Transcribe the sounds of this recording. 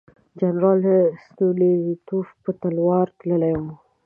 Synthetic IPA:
d͡ʒanɾɑlst̪uledət̪ufpət̪alwɑɾt̪ləlajũ

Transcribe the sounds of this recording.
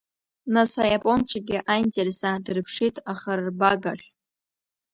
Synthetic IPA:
nasajapʼo̞nt͡ɕʷʰaɡʲɪʔajntʼersadɨrpʰʂitʼaχarbaɡaɬʲ

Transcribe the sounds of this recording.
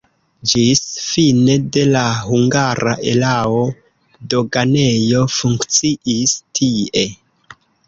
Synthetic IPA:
d͡ʒisfine̞de̞lahuŋɡaɾa̰ʔe̞lao̞ | do̞ɡane̞jo̞fuŋkt͡siʔistʰie̞

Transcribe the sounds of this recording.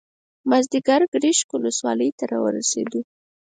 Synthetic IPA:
mazd̪ɪɡaɾɡɽiʃkuləswɑləjt̪aɾɑ̰wə̰ɾa̰sḛd̪u

